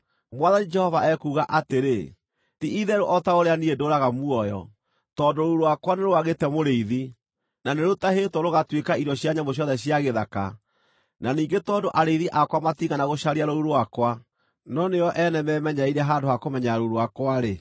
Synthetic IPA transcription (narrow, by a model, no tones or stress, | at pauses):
mwaðanid͡ʒɛhɔvaɛkuːɣaʔateɾe | tiʔiðɛɾoʔɔtaoɾeaniedoːɾaɣamuɔjɔ̰ | tɔːndoɾouɾowakwaneɾoaɣetɛmoɾeiði | naneɾotaɦetwɔɾoɣatwekaiɾɔɕjaɲamboɕ̬jɔðɛɕjaɣeðaka̰ | naniːŋɡetɔːdoʔaɾeiðiʔakwamatiɣɡanaɣoɕaɾiaɾouɾoakwa | nɔnejɔʔɛnɛmɛmɛɲaiɾɛɦaːndohakomɛɲaɾoɾoakwaɾe